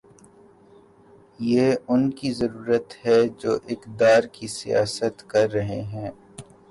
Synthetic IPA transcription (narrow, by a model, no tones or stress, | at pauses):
jeːʊnkizɐɾuːɾət̪ɦɛd͡ʒoːʔɪkd̪aːɾkisija̰ːsət̪kɐɾːɐɦeɦɛ̃ː